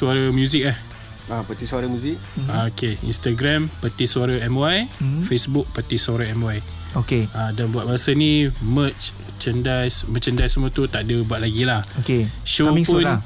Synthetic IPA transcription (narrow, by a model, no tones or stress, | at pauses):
suaɾamjuzikah | apət̪isuaɾamjũzikaokeḭnst̪aɡɾampət̪isuaɾaɛmwajfesbuk̚pət̪isaɾaɛmwaj | okeadanbuat̪̚baasanĩmət | t͡ʃəndajsmət͡ʃəndajsəmũat̪ut̪aʔdəbuaʔ̪̚laɡilahokeʃopua